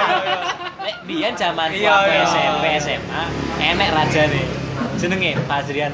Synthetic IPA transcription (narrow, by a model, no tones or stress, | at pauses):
eʔmijan̥d͡ʒ̥amanaeɛsɛmpeɛsɛmʔaenɛʔrad̥ʒ̥a̤ned̥ʒ̥ə̤nəŋepasɾian